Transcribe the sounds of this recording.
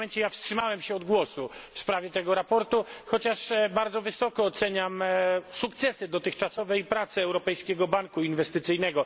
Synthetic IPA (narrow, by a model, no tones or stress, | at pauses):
ɛɲt͡ɕɛjafstʂɘmawɛmɕɛɔd̪ɡwɔsufspɾavʲjɛt̪ɛɡɔɾapɔɾt̪uxɔt͡ɕaʂbaɾd̪zɔvɘsɔkɔːt̪sɛɲamsukt̪sɛsɘd̪ɔt̪ɘxt͡ʂasɔvɛjpɾat̪sɛɛwɾɔpɛjskʲɛɡɔbaŋkuinvɛst̪ɘt̪sɘjnɛɡɔ